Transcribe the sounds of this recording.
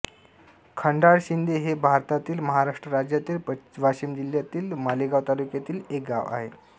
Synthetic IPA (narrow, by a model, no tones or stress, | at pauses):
kʰəɳɖaɽɕind̪ʱeɦebʱaɾt̪at̪iːlməɦaɾaʂʈɾəɾad͡ʑjat̪iːlʋaɕiːmd͡ʑiljat̪iːlmaliɡaʋt̪alukjat̪iːlek̚ɡa̰ʋa̰ɦḛ